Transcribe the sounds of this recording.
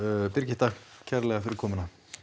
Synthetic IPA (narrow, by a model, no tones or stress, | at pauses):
pɪɾcɪ̥t̪akcʰɛɾlɛɣafɪɾɪɾ̥kʰɔːmʏna